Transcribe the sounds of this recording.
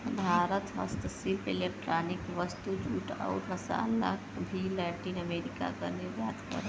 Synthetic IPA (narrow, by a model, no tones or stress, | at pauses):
bʱaɾət̪ɦə̰st̪əsilpelek̚ʈɾanikʋəst̪ud͡ʒuʈa̰ʊɾməsa̰la̰kbʱilaʈinəmeɾika̰kəɾnejad̪kə̰ɾ